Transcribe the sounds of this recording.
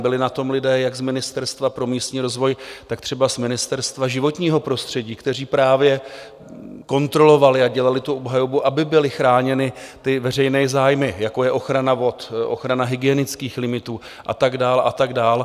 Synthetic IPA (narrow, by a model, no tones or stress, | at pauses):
bɪlɪnat̪o̞mlɪdɛːjaɡzmɪnɪst̪ɛɾst̪vapɾo̞miːst̪ɲiːɾo̞zvo̞jt̪akt̪r̥ɛbazmɪnɪst̪ɛɾst̪vaʒɪvo̞t̪ɲiːɦo̞pɾo̞st̪r̝̥ɛɟiːkt̪ɛr̝iːpɾaːvjɛ | ko̞nt̪ɾo̞lo̞valɪaɟɛlalɪt̪uʔobɦajobuʔabɪbɪlɪxɾaːɲɛnɪt̪ɪvɛr̝ɛjnɛːzaːjmɪjako̞jɛʔo̞xɾanavo̞t̪ʔo̰xɾanaɦɪɡɪɛnɪt͡skiːxlɪmɪt̪uː | ʔa̰t̪aɡdaːlʔa̰t̪aɡdaːl